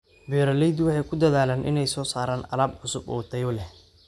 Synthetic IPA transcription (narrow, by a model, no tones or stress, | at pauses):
bɛːɾɐlɛjd̪wɑħɑjkʰʊd̪ɐðaːlaːnʔɪ̰nɛjsɔːsaːɾaːnɐ̰laːbʕʊsʊbɔːt̪ʰɐjɔlɛ